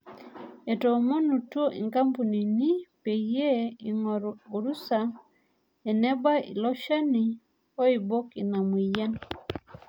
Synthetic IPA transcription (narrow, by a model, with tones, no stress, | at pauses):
ɛ˨to˨mo˦nu˨two˦ʔḭ˨ŋka˦mpu˨ni˨ni˦pe˨je˦i˨ŋɔ˨ɾu˨ɾu˦sa˨ | ɛ˨nɛ˦ba˦ḭ˨lɔ˦ʃa˦ni˨ | ɔ˦i˨bɔ˦ki˨na˨mwi˨jɛ˦n